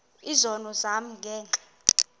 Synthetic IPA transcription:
izɔnɔzam̩ɡʱɛːnʼɛ̥

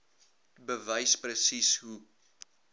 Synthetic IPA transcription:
bəvəjsprəsisɦu

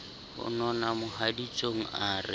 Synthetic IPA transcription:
hʊ̰nɔnamʊhadit͡ʃʼoŋ̩ʔaːrɪ̰

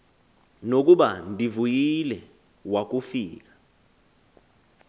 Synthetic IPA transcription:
nok̬ʼuɓandʱivujilɛ | wak̬ufiːk̬ḁ

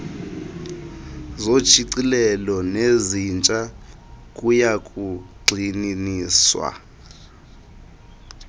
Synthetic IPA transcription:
zo̥t͡ʃʰiǀilɛlɔnezint͡ʃʼa | kʼujakʼuɡ͡ǀʱininiːswa̰

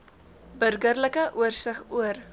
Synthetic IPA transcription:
bərɡərləkəʔuərsəχuər

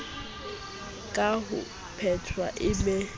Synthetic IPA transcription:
kʼaɦʊ̰ | pʰɛtʰwa̰ʔɪmɛ

